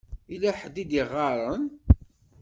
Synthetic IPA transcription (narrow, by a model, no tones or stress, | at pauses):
ilæħd̪id̪iʁːɑɾˤən